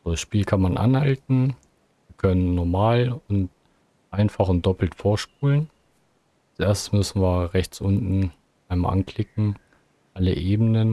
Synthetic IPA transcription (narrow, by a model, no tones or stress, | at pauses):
z̥odasʃpiːlkʰanmanʔa̰nhaltn̩ | viːɐkʰœnənːɔɐmaːlʊnt | ʔaɪnfaχʊnt̚d̥ɔpl̩tfoːɐʃp̚uːlən | asʔeːɐstə̥smʏsn̩viːɐʁɛçt͡sʔʊntn̩ | ʔaɪnma̰ʔankl̥ɪkŋ̩ | ʔaləʔeːbənən